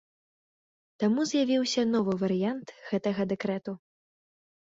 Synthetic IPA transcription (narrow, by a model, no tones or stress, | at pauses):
t̪amuzjavʲiwsʲɐnɔvɨvɐɾɨjant̪ɣɛt̪ɐɣɐd̪ɛkɾɛt̪u